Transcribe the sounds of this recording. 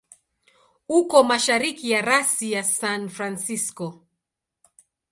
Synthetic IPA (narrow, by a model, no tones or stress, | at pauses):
ukɔmaʃaɾikijaɾasijasanfɾansiskɔ